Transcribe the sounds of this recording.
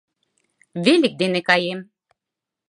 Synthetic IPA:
velʲik̚d̪enekɑjem

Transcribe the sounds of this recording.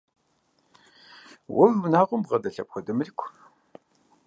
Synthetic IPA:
wʔʊvnaːʁʷʊmʁɐdɐɬɐp̚xʷɔdɨmɨrikʷʰ

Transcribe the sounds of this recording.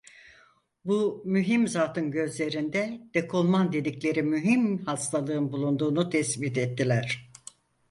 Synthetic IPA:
bumyɦimzaːt̪ʰɯnɟø̞zlʲe̞ɾind̪ɛd̪̥ekʰolˠmand̪e̞d̪iclʲe̞ɾimyɦimhast̪ʰalˠɯɯnbulˠund̪uːnut̪ʰɛsbit̪ɛt̪ʰːilʲæɾ̝̥

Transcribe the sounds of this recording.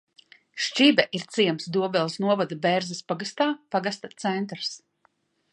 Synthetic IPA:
ʃt͡ʃibɛʔiɾt̪siɛmsd̪uɔbɛlˠsnuɔvad̪abɛɾzɛspaɡast̪aːpaɡast̪at̪sɛnt̪ɾs

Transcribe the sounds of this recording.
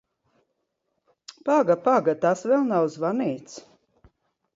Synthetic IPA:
paɡapaɡat̪asvɛlˠnawzvaniːt̪s

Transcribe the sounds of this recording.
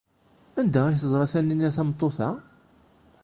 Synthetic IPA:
ænd̪æiθəzˤɾˤɑθænːinːæθæmt̪ˤːoθæ

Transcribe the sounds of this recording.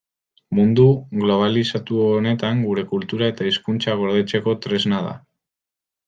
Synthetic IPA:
mund̪uɣlo̞β̞alisat̪uone̞t̪aŋɡuɾe̞kult̪uɾae̞t̪aiskunt͡ʃaɣ̞o̞ɾð̞e̞t͡se̞ko̞t̪ɾe̞znaða̰

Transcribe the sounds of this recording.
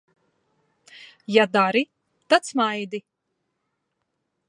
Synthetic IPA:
jad̪aɾi | t̪at̪smajd̪i

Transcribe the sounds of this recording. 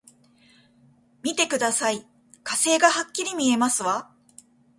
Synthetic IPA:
mʲit̪e̞kɯ̟d̪asai | kase̞ːɡahakʲːiɾʲimʲie̞masɨβa

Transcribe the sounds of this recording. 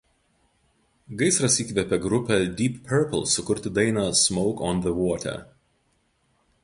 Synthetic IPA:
ɡɐɪsɾɐsiːkʋʲɛpʲɛɡɾʊpʲɛd̪ʲiːppʰʲːɛɾpɔ̰lˠsʊkʊɾʲt̪ʲɪd̪ɐɪnɑːsmɔʊkɔnðəʋɔːt̪ʲɛ̰

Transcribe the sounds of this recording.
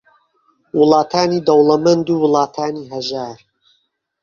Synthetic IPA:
wɨlˠɑːt̪ʰaːniːd̪ɐwlɐmɐnd̪uːwɨlˠɑːt̪ʰaːniːɦɐʒaːɾ

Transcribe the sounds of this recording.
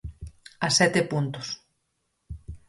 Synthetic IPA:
asɛt̪epunt̪ʊs

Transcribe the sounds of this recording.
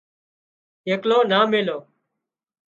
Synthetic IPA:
ɦeːkloːnaːmeːloː

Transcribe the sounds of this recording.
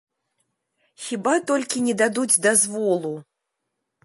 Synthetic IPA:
xʲibat̪ɔlʲkʲinʲɛd̪ad̪ud͡zʲd̪azvɔlˠu

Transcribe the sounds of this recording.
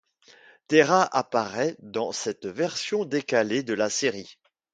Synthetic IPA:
t̪eʁaʔapaʁɛd̪ɑ̃sɛt̪vɛʁsjɔ̃d̪ekaled̪əlaseʁi

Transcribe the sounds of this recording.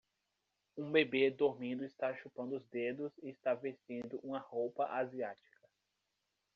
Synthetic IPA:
ũbebed̪oɾmĩd̪ʊist̪aʃupɐ̃nd̪ʊʊzd̪ed̪ʊzɪːst̪avest͡ʃĩd̪ʊʔũmɐhowpɐʔaziat͡ʃi̥kɐ

